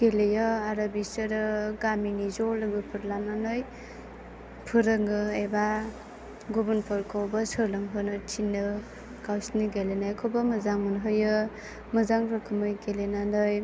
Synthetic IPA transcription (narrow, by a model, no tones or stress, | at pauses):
ɡ̥elejɔaɾabisɯɾɯɡaminizɔlɯɡɯpʰɯɾlananɯj | pʰɯɾɯŋɡɯeba | ɡubunpʰɯɾkʰawbasɯlɯŋɦɯnɯtʰinːɯ | kawsniɡelenajkʰobamɯzaŋmɯnɦɯjɯ | mɯzaŋɾɯkʰɯmɯjɡelenandɯj